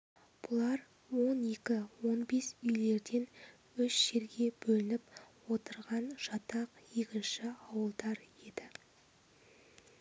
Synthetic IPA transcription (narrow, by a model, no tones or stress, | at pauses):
b̥ʊlˠɑɾ | wo̞ne̞kʲɪwo̞nbe̞sʏjle̞ɾd̪e̞n | ʏʃʒ̥e̞ɾɡʲe̞b̥ɵlɪnɪpwo̞t̪əɾʁɑnʒ̥ɑt̪ɑqjekʲɪnʃɪɑwəlˠd̪ɑɾe̞d̪̥ɪ